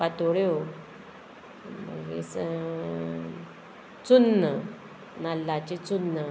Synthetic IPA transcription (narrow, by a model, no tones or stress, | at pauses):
pat̪oɽjo | mə̰ɡḛs | t͡sunːə | nalːat͡ɕet͡sunːə